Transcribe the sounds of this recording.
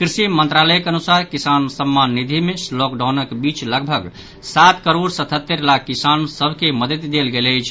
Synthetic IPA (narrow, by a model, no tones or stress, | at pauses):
kɾisimənt̪ɾaləjkeənusaɾkisansəmːanːid̪ʱimeslɔkɖawnəkbit͡ʃləɡbʱəɡ | sat̪kəɾoɽsət̪ʰət̪ːəɾlakːisansəbʱkeməd̪ət̪d̪elɡeləjt͡ʃʰ